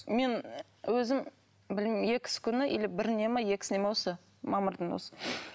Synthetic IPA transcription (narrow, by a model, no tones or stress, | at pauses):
me̞n | wɵzɪm | bɪlmje̞kʲɪ̥sɪ̥kʲʰʏnɪʔelɪbɪɾnemɑje̞kʲɪ̥sɪnemewosə | mɑməɾd̪ənwo̰sə̥